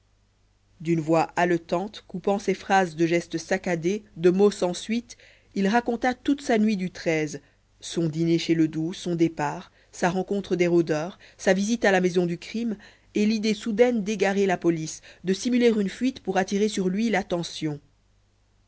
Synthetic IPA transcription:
d̪ynvwaʔalət̪ɑ̃t̪kupɑ̃sɛfχazd̪əʒɛst̪əsakad̪ed̪əmosɑ̃sɥit̪ | ilʁakɔ̃t̪at̪ut̪sanɥid̪yt̪χɛz | sɔ̃d̪ineʃeləd̪usɔ̃d̪epaːʁ | saʁɑ̃kɔ̃t̪χəd̪eʁod̪œːʁsavizit̪alamɛzɔ̃d̪ykχim | elid̪esud̪ɛnd̪eɡaʁelapɔlisd̪əsimyleʁynfɥit̪puʁat̪iʁesyʁlɥilat̪ɑ̃sjɔ̃

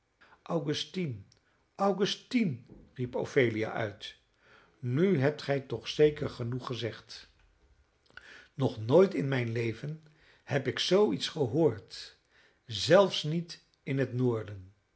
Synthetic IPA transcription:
ʔɑwχʉstin | ʔɑwχʉstinripo̰wfejlia̰ʔœɥt | nyɦɛp̚tχɛjtɔχsejkəɹχənuχəzɛχt | nɔχnoːjtɪnmɛjnlejvən | hɛpɪksowitsχəɦʊːɹt | zɛlˠfsnit | ɪnɦətnʊːɹdən

